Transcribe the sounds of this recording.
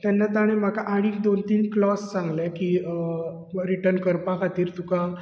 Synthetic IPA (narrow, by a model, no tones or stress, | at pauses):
t̪anːat̪aɽ̃ẽm̤akaʔaɽ̃iːk̚d̪ont̪iːnklɔst͡sãŋɡlakiː | ɾiʈəɾnkəɾpakat̪iːɾt̪ukã